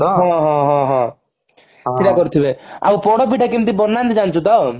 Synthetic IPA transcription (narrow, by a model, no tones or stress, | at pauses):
ɔɦɔ̃ɦɔ̃ɦɔ̃ɦɔ̃ | kʰiʈakɔɾut̪ʰibea̰wpɔɽɔp̬iʈʰakimt̪ibɔɾnant̪id͡ʒant͡ʃʰut̪ɔ